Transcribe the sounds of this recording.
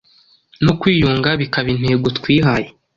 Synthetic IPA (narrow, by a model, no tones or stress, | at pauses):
nokwiːjuːŋɡaβikaβin̥he̞ːɡotkwiːɦaje